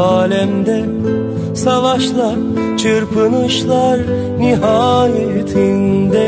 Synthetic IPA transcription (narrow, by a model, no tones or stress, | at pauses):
aːlʲɛmd̪ɛ | savaʃlˠaɾ | t͡ʃʰɯɾpʰɯnɯʃlˠaɾ | niɦaːjɛyt̪ʰind̪ɛ